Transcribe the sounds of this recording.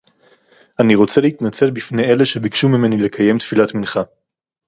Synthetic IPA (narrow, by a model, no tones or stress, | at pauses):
aniʁo̞t͡seleit̪nat͡selbifne̞je̞leʃe̞bikʃumime̞nile̞kʰaje̞mt̪filat̪minχa